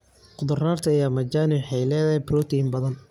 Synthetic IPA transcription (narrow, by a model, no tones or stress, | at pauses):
qʊd̪ʊraːrt̪ʰɐjaːmɐt͡ʃaːnɪbħɛjlɛːðɛbɾuːt̪ʰimbɐðɐn